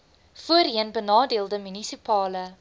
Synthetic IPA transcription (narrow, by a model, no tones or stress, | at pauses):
fuəriənbənɑːdiəlˠdəmynisipɑːlə